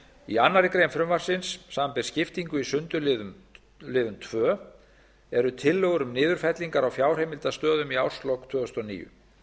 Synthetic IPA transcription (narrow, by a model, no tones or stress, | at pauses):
ianːaɾɪkɾeːjmfɾʏmvaɾ̥sɪnsːaːmapɪɾ̥scɪft̪iŋkʏisʏnt̪ʏlɪðʏm | lɪːðʏmt̪ʰvœː | ɛɾʏt̪ʰɪlːœɣʏɾʏmnɪːðʏɾ̥fɛt̪liŋkaɾawfjaːwr̥ejmɪlt̪ast̪œːðʏmiawr̥st̪lɔwkt̪ʰv̥œːʏst̪ɔnḭːjʏ̰